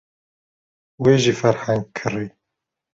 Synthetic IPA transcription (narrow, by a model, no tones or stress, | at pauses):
weːʒiːfɛɾhæŋɡkʰɨriː